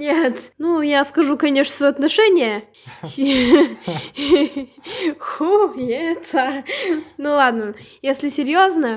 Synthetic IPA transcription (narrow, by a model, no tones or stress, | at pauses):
nʲet̪nujaskɐʐukɐnʲeʂnst̪vəɐt̪nɐʂɛnʲɪjə | xujet̪a | nulˠad̪nəjesʲlʲɪsʲɪɾʲjoznə